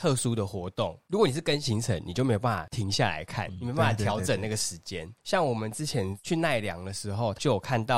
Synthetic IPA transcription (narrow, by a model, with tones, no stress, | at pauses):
t̪ʰɤ˥˧su˦d̪ə˨xwɔ˧˥t̪ɔ˥˩ŋɻu˧˥kwɔ˧˦ni˨˩ʂɻ̩˥˩kə˦nɕi˧˦ŋt͡sʰə˧˦nni˨t͡ɕjo˥˩me˥jo˨˩pa˥˩a̰˨˩t̪ʰi˧˥ŋɕja̰˥˨la̰˧˦ɪkʰa̰˥˩nni˨e˥o˧pa˥˩a˨˩t̪ʰjɑ˧˥ʊʈ͡ʂə˨˩na˥˩ɡə˩ʂɻ̩˧˦˥t͡ɕjɛ˦˥nɕjɑ˥˩ŋwɔ˨˩mə˨nt͡sɹ̩˥t͡ɕʰjɛ˧˦nt͡ɕʰy˥˧na˥˩ɪljɑ̰˧˦ŋd̪ə˨ʂɻ̩˧˥xo˥˧ʊt͡ɕjo˥˩jo˨˩kʰa˥˧nt̪ɑ˥˨ʊ